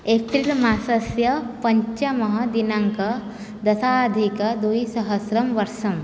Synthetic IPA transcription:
epʰilmaːsɐsjɐpɐɲt͡ʃɐmɐɦɐd̪inaŋkɐ | d̪ɐsaːd̪ʱikɐd̪ujsɐɦɐsɾɐmʋɐɾʃɐm

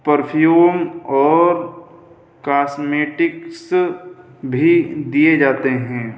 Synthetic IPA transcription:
pəɾpʰjjuːmɔːɾ | kaːsmeːʈɪks | bʱid̪ijed͡ʒaːt̪eɦɛ̃ː

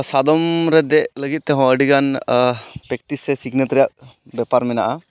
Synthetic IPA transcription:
sad̪ɔmɾɛd̪ɛʔləɡit̪̚t̪ɛɦɔ̃əɖiɡan | pɾɛk̚ʈisɛsiɡnət̪ɾijaʔ̚ | bjɛpaɾmɛnaʔa

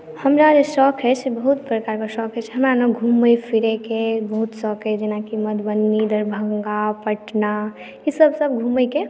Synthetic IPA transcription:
həmɾad͡ʒesɔkʰɦɛt͡ʃʰbəɦut̪pɾəkaɾkasɔkʰɦɛt͡ʃʰɦəmɾanoɡʱuməjpʰiɾekebəɦut̪sɔːkʰɦed͡ʒenakiməd̪bənːid̪əɾbʱəŋɡapəʈna | isəbsəb̚ɡʱuməjke

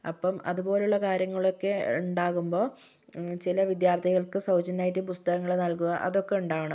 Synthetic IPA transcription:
ɐ̰pːɐmɐ̰ðubo̞ːleuɭːɐkaːɾjɐŋːɐɭo̞kːe̞uɳɖaːɣumbo̞ː | t͡ɕilɐʋid̪jaːrt̪ʰiɣɐɭkɨsɐwd͡ʑɐnaːjitːɨpust̪ɐɣɐŋːɐɭenɐlkuɣɐʔɐ̰ðo̞kːe̞uɳɖaːʋɐɳɨ

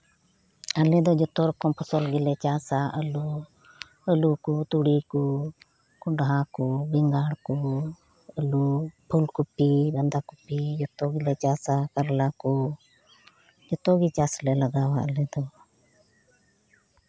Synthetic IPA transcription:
əlɛ̃d̪ɔd͡ʒɔt̪ɔɾɔkɔmpʰɔsɔlɡilɛt͡ʃaːsaʔəlu | əlukut̪uɽiku | kʊɳɖɦakubiŋɡaːɽku | əlupʰulkupːibɐnd̪akupːid͡ʒɔt̪ɔɡilɛt͡ʃaːsakəɾlakɔ | d͡ʒɔt̪ɔɡit͡ʃaːslɛləɡaːwaəlɛd̪ɔ

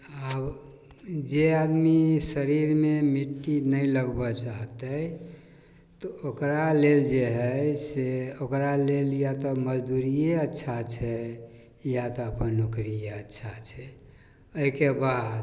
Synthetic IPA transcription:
əb | d͡ʒead̪misəɾiɾmemiʈːinəjləɡbɔt͡ʃaɦt̪əj | t̪ɔokɾaleld͡ʒeɦəjseokɾaleljat̪ɔməd͡ʒd̪uɾijeətːʃʰat͡ʃʰɛ | jat̪ɔəpənokɾijeətːʃʰat͡ʃʰɛ | əikebad̪

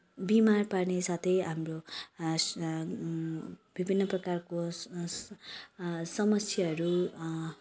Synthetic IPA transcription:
bimarparnesat̪ʰʌjɦamro | b̥ibʱinːʌprʌkarko | sʌmʌsjʌɦʌɾu

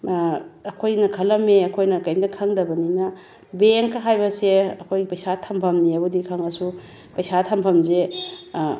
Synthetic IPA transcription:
ɐkʰojnɐkʰɐlɐmeɐkʰojnɐkɐjmdɐkʰɐŋdɐbɐninɐ | beŋkɐɦajbɐseɐkʰojɡipɐjsatʰɐmpʰɐmniɐbudikʰaŋɐsu | pɐjsatʰɐmpʰɐmze

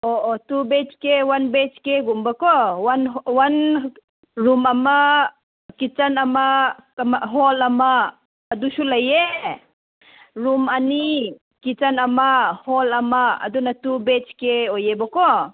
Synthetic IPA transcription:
oʔotubet͡ʃkewanbet͡ʃkeɡumbakɔwanwan | ɾumama | kit͡ʃanamamɦɔlamaː | dusulaje | ɾumani | kit͡ʃanamahɔlama̰ːdunatubet͡ʃkeojebɔkɔ

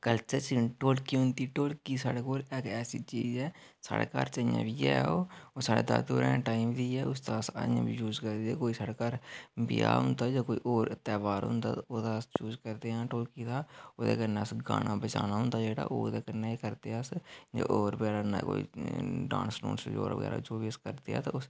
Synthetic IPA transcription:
kəlt͡ʃəɾt͡ʃʈoːlkiːɦʊ̃nd̪iːʈoːlkiːsaːɽeːkoːleːkɛːsiːt͡ʃiːzɛː | sa̰ːɽḛːka̰ːɾt͡ʃəjã̰ːbiːɛ̰ːoːoːsaːɽḛːd̪a̰ːt̪o̰ːɾɛ̃ːʈaːimd̪iːɛːʊst̪asə̰jã̰ːbiːd͡ʒuːzkəɾd̪ieːkoːiːsaːɽeːkaːɾbɪja̰ːɦʊnd̪aːd͡ʒaːkoːḭːʔoːɾt̪ɛːʋaːɾɦʊ̰nd̪aːt̪ːoːd̪aːst͡ʃuːd͡ʒkəɾd̪eːãːʈoːlkiːd̪aːoːd̪ḛːkəneːəsɡa̰ːnaːbət͡ʃaːnaːɦʊ̃nd̪aːd͡ʒeːɽa̰ːʔoːd̪eːkəɾnekəɾt̪eːasd͡ʒa̰ːʔoːɾbəɡɛːlaːnako̰ːiɖãːnsʈo̰ːnsd͡ʒo̰ːɾʋə̰ɡɛ̰ːɾa̰d͡ʒoːbiːəskəɾd̪eːɛːt̪aʊs

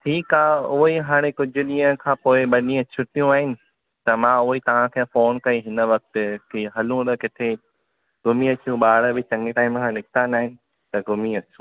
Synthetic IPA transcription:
ʈʰiːkaːɦʊɦiɦaːɽ̃ẽkʊd͡ʑʱʊɗiːɦə̃kʰãːpoːɪɓɐɗĩːə̃t͡ɕʰʊʈijũaːɦɪnɪ̆ | t̪ɐmãʊɦit̪ɐʋ̤ãkʰẽfoːnkɐiɦɪnə̆ʋɐk̚t̪ɪ̆kʰeɦɐlũɾəkɪt̪ʰe | ɡ̥ʊmiɐt͡ɕijũɓaːɽəbɪt͡ɕɐ̃ŋɡeʈaːɪmkʰãnɪkʰt̪ãnaːɦɪnɪ̆ | t̪ɐɡʊmiɐt͡ɕũ

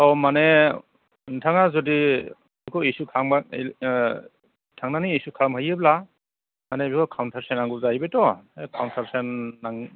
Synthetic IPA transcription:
awmane | ntʰaŋazɔdi | bikʰɔesukʰaŋba | tʰaŋnaniːsukʰaɾmhɯjebla | manebikʰɔkʰawntʰaɾsenaŋɡuzajbetɔekʰawntʰaɾsenːaŋ

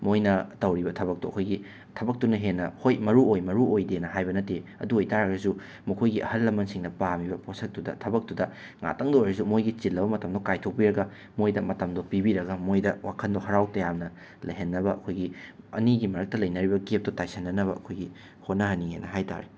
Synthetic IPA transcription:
mojnɐtɐwɾibɐtʰɐbɐk̚tuɐ̰kʰojɡi | tʰɐbɐk̚tunɐɦenːɐhojmɐɾuojmɐɾuojdenɐɦajbɐnɐteɐ̰duojtaɾɐɡɾɐsu | mɐkʰojɡiʔɐ̰hɐlːɐmːɐnsiŋdɐpamibɐpʰosɐk̚tudɐ̰tʰɐbɐk̚tudɐ | ŋa̰tɐŋdɐojɾɐsumojɡit͡ʃilːɐbɐmɐtɐmdokajtʰok̚piɾɐɡɐ | mojdɐmɐtɐmdopibiɾɐɡɐmojdɐwakʰɐndohɐɾawtɐjamnɐ | lɐ̰jɦɐnːɐbɐɐkʰojɡiɐ̰niɡimɐɾɐk̚tɐlɐjnɐɾibɐɡep̚tɐtajsɐnːɐnɐβɐɐkʰojɡi | hot̚nɐɦɐnːiŋenːɐɦajta̰ɾe

